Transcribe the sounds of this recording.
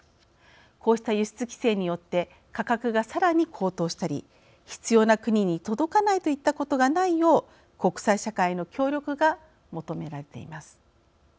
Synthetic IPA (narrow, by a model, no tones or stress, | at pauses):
kʰo̞ːɕi̥t̪ajɯ̟ɕi̥t͡sɨkʲi̥se̞ːɲ̟ijo̞t̪ːe̞ | kakakɯ̟ɡasaɾaɲ̟ikʰo̞ːt̪o̞ːɕi̥t̪aɾʲḭ | çi̥t͡sɨjo̞ːnakɯ̟ɲ̟iɲ̟it̪o̞d̪o̞kanait̪o̞it̪ːako̞t̪o̞ɡanaijo̞ː | ko̞kɯ̟̥saiɕakaino̞kʲo̞ːɾʲo̞kɯ̟ɡa | mo̞t̪o̞me̞ɾaɾe̞t̪e̞̰ḭmasɨ̥